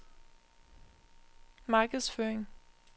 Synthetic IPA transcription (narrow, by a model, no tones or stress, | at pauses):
mɑːɡ̥əðˠsføːɐeŋ